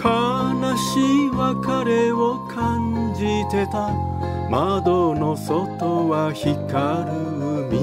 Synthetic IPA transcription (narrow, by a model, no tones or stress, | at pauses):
kʰanaɕiβakaɾe̞okʰãɲd͡ʑit̪e̞t̪a | mad̪ono̞so̞t̪oβaçikaɾɯɯmʲi